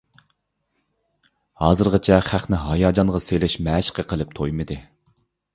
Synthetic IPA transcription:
hɑːzɨɾʁɑt͡ʃʰɛχæχnɪɦɑjɑːd͡ʒɑnʁɑselɪʃmɛːʃqʰəqʰəlˠɨp̚t̪ʰojmɨd̪ɨ

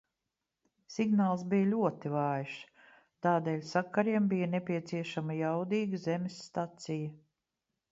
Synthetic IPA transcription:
siɡnaːlˠs̬bijlʲuɔt̪ivɑːjʃ | t̪aːd̪eːlʲsakːaɾiɛmbijənepʲiɛt̪siɛʃamɐjawd̪iːɡəzemʲɪsːt̪at̪sijə

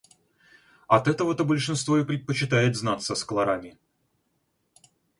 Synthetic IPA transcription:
ɐt̪ɛt̪əvət̪əbəlʲʂɨnst̪voɪpɾʲɪt̪̚pət͡ɕɪt̪ajɪt̪znat̪səsklˠɐɾamʲɪ

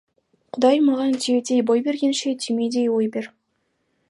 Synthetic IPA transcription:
qʰʊd̪ɑjmɑʁɑnt̪ʲʰied̪ejbojbe̞ɾɡʲenʃet̪ʰʲimed̪ʲejwojbeɾ

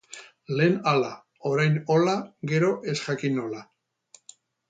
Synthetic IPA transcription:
le̞ːnala | o̞ɾajno̞laɡe̞ɾo̞ʔe̞sʝakino̞la

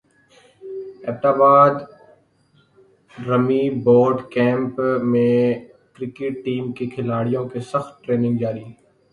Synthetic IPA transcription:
ɛ̰ːp̚t̪aːbaːd̪ | ɾɐmiboːɖkɛ̃ːmpmẽ | kɾɪkɪʈ̚ʈiːmkekʰɪlaːɽijõkesɐxt̪̚ʈɾeːnɪ̃ŋɡd͡ʒaːɾi

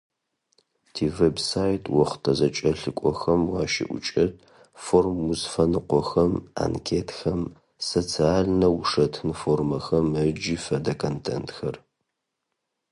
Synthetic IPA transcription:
tʰiːvebsaːjtʰwɔχʷtʰɐzɐt͡ʃʼɐɬɨkʷʼɔxɐmwɑːʃɪ̰ʔʷʊ̰t͡ʃʼɐt | formːuzfɐnɨqʷɔxɐma̰nkʰeːtxɐm | sɐt͡sʰaːɮnɐwʂɐtʰɨnformɐxɐməd͡ʒiːfɐdɐkʰontʰḛntxɐr

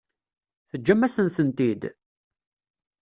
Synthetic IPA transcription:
θəd͡ʒːæmːæsənθənt̪id̪

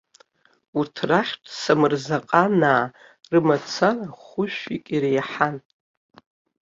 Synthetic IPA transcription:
urtʰraħʲtʰʼsamɨrzaqʼanaː | rɨmat͡sʰaraχʷʊʃᶣʷikʲʼiɾejħan

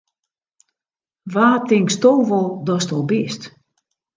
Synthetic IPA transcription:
ʋaːtɪŋkstoːʋɔlˠdɔstɔlˠbɪst

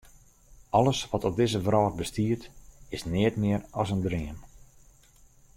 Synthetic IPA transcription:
ɑləsʋɔtɔp̚dɪzəvrɔːtbəstiərtɪsnɪətmɪəɾɔsəndrɪən

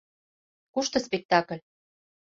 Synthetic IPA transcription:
kuʃt̪ɤ̆spek̚t̪ɑkə̆lʲ

